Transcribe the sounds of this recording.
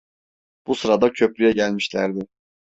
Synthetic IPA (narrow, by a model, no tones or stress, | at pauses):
b̥usɯɾad̪acʰø̞p̚lʲyjɛɟælʲmiʃlʲæɾd̪ɪ